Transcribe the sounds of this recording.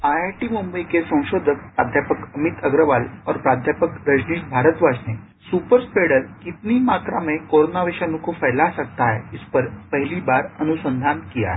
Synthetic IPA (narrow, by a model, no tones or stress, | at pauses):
ajaɾʈimumbəikesə̃w̃ɕod̪ʱək̚pɾad̪ʱjapəkəmit̪əɡɾəʋalɔɾpɾad̪ʱjapəkɾəd͡ʑniːʈbʱaɾət̪ʋad͡ʑne | supəɾspeɽəɾkit̪niːmak̪ɾamẽkoɾonaʋeɕanũkofəjlasəɡ̚t̪aeispəɾpəɦiliːbaɾənusənd̪ʱankija̰